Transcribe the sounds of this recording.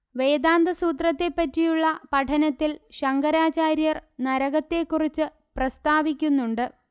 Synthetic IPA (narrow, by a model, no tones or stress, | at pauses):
ʋe̞ːd̪aːnd̪ɐsuːt̪̬rɐt̪ːe̞pːɐtːijuɭːɐpɐʈʰɐnɐt̪ːilɕɐŋɡɐɾaːt͡ɕaːɾjɐrnɐɾɐɣɐt̪ːe̞kːurit͡ɕːɨ | prɐst̪aːʋikʲːunːuɳɖɨ